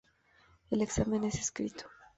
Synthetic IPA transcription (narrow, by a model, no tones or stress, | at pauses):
eleksamẽneseskɾit̪ʰo̥